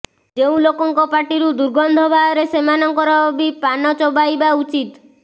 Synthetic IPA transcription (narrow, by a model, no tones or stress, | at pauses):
d͡ʒeũlokɔŋkɔpaʈiɾud̪uɾɡɔnd̪ʱɔbʱaɔɾesemanɔŋkɔɾɔbbipanɔt͡ʃɔbajbaut͡ʃit̪